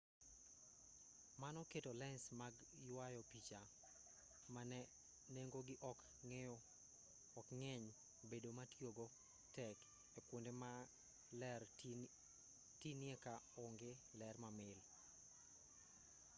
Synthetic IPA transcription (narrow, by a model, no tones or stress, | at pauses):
manɔketolɛnsmaɡ | jwajɔpit͡ʃa | manɛ | neŋɡoɡɪʔɔk | ŋɛ | ɔkŋɛɲ | bedomatjoɡo | tɛk | epwondema | lɛr | tinɪɛkaoŋɡelɛrmamɪl